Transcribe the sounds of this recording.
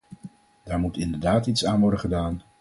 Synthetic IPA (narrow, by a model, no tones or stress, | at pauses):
d̥aːɹmutɪndəɹdaːtitsaːnʋɔɹdəχədaːn